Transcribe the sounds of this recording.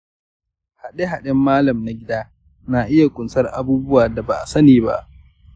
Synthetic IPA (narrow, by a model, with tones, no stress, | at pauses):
ha˨ɗe˦ɦa˨ɗɛ˦mːaː˦lɐ˨mna˨ɡʲɪ˦daː˦ | na˨ʔɪ˦ja˨kʷʼʊ˨nsɐ˦rʔa̰˨buː˦bʊ˦waː˨da˨ba˨ʔa˨sɐ˦niː˨ba̰˦ʔ